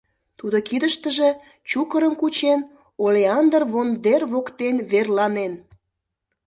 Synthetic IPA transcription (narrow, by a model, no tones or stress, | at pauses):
t̪ud̪okid̪əʃt̪əʒe̽ | t͡ɕukəɾəmkut͡ɕen | oleɑnd̪ərβond̪erβokt̪enβerlɑnen